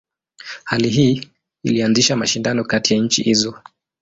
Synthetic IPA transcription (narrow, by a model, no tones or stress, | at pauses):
haliɦiː | ḭlianziʃamaʃindanɔkatijaɲ̩t͡ʃḭhizɔ